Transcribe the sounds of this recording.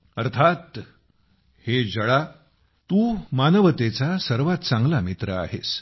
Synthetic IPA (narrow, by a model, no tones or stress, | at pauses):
əɾt̪ʰat̪ | hed͡ʑəɭa | t̪uːmanəʋət̪et͡sasəɾʋat̪t͡sãŋɡlamit̪ɾəa̰ɦḛs